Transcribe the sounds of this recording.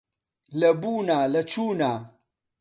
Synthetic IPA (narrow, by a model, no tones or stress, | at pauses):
lɐbuːnaːlɐt͡ʃuːnaː